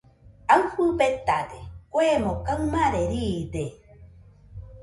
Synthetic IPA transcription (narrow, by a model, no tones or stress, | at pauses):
awɸubet̪ad̪ekʷemokawmaɾeɾid̪e